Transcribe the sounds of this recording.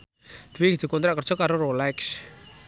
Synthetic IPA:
d̪̥ɾiɡid̪ṳkɔnt̪ɾaʔkər̥ʒ̥ɔ̤kaɾoɾolɛks

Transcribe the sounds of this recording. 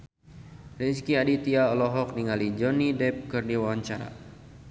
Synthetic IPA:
rɛd͡ʒkiadit̪iaɔlɔɦɔk̚niŋalid͡ʒɔnidɛp̚kɨrdiwawaɲt͡ʃaɾa̰

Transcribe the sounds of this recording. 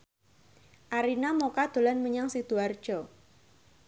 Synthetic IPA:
ʔaɾinamokad̪̥o̤lanməɲaŋsid̪̥uard̥ʒ̥ɔ

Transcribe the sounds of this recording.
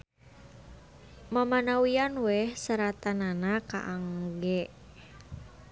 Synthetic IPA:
mamanawianwɛhsəɾat̪ananaka̰ʔaŋɡɛʔ

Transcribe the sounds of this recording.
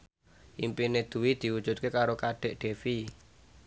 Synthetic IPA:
ʔimpined̪̥ṳwid̪̥i̤ud̥ʒ̥ṳt̪̚kekaɾokaɖ̪̥ɛ̤ʔɖ̥e̤fi

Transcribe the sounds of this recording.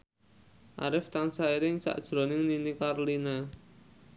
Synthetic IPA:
ʔa̰ɾɪft̪ansaiɾɪŋsa̰ʔd̥ʒ̥ɾɔ̤nɪŋninikaɾolina

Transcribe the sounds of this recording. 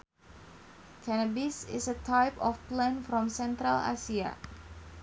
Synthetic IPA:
kʰanabisɪ̰sətʰajpɔfplɛ̃nfɾɔ̃msɛ̃nt̪ɾala̰sia̰

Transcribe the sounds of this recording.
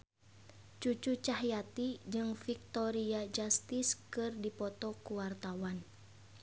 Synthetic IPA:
t͡ʃut͡ʃut͡ʃaɦjat̪id͡ʒɨŋfik̚t̪ɔɾiad͡ʒast̪iskɨrdipɔt̪ɔkuwart̪awan

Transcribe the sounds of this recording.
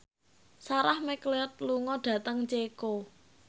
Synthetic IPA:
saɾahmɛkleɔt̪̚luŋɔɖ̥ä̤t̪əŋt͡ʃeko

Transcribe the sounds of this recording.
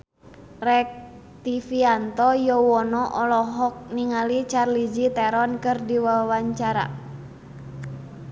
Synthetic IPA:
rɛk̚ | t̪ifiant̪ɔjɔwɔnɔʔɔlɔɦɔk̚niŋalit͡ʃarlid͡ʒit̪ɛɾɔnkɨrdiwawaɲt͡ʃaɾa̰

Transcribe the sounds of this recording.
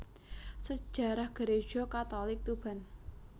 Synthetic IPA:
sə̥ʒ̥a̤ɾahɡ̥əɾe̥ʒ̥ɔkat̪ɔlɪk̚t̪ub̥a̤n

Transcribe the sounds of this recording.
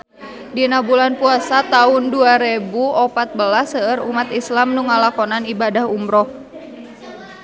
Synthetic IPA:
dinabulanpuasat̪aʊnduaɾebuɔpat̪̚bəlasəəɾumat̪islamnuŋalakɔnanibadahumɾɔh

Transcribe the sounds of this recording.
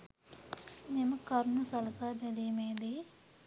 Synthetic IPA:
memɐkɐɾnusɐlɐsaːbelimeːd̪i

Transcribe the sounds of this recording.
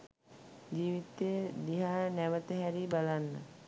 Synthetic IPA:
d͡ʒiːʋit̪eəd̪iɦaːnæʋət̪əɦæɾibalanːə

